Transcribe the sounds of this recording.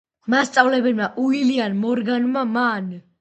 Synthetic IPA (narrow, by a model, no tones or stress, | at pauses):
mast̪sʼavlɛbɛlmaʔuilianmɔɾɡanmaman